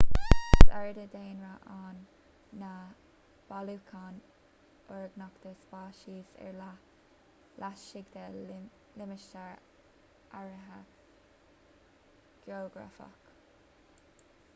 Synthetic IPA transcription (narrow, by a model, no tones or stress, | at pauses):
sɛɹd̪əd̪eːnɹaʔaːnː | a | b̥alukʰaːn | ɔɹɡnakt̪əspɑːʃiːsɛ̰ɹ | lʔaʃɪɡd̪ə | lɪməʃtaɹ | ʔaɹəɦə | ɡ̥joːɡɹa̰fa̰k